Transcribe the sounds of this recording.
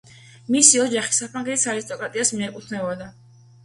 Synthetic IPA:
misiɔd͡ʒaχi̥sapʰɾaŋɡɛt̪ʰi̥saɾist̪ʼɔkʼɾat̪ʼiasmiɛkʼut̪ʰnɛvɔd̪a

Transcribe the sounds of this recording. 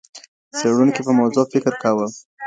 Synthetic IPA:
t͡seɽunkipəmawzofɪkɾkawə

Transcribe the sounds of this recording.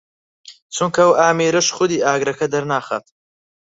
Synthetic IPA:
t͡sʰuŋkʰɐɐwaːmiːɾɐʃχʊd̪iːaːɡɾɐkʰɐd̪ɐɾnaːχa̰ːt̪

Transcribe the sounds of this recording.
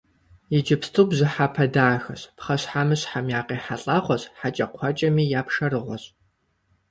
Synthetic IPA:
jɪd͡ʒɪpstʰɨwbzɪħapʰɐdaːxɐɕpχɐɕħamɨɕħamjaːqeːħaɬʼaʁʷɔɕʼħat͡ʃʼɐqʷʰɔt͡ʃʼɐmiːjaːpʰʂɐrɨʁʷɔ̰ɕʼ

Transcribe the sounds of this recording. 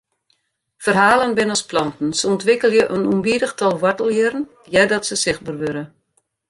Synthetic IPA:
fərɦaːlənbɪnɔsplɔntn̩səɔntʋɪkəlˠjəʔənumbidəxtʰɔlˠʋɔtəlˠjɪrn̩ | jɛdɔtsəsɪxbərʋøɾə

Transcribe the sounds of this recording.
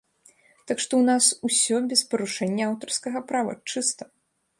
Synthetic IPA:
t̪akʂt̪ɔwnasusʲɔbʲɛspɐɾuʂɛnʲːɐawt̪ɐrskɐɣɐpɾavɐ̰t͡ʂɨst̪ɐ̥

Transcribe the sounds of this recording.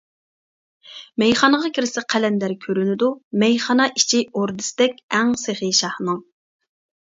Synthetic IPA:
mɛjχɑnəʁɑkʰʲɪɾɪsɛqʰælɛnd̪æɾkʲʰøɾynɪd̪umɛjχɑnɑʔit͡ʃʰioɾd̪ɪsɪd̪ɛkʲɛŋseχiʃɑhnɨŋ

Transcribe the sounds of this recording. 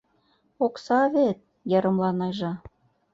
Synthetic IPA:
oksɑβet̪̚ | jɑɾɤ̆mlɑnɑʒɑ

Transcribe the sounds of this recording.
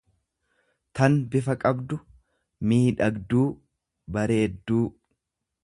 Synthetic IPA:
t̪ɐnbɪfɐkʼɐbd̪ʊ | miːᶑɐɡd̪uː | bɐɾe̞ːd̪ːuː

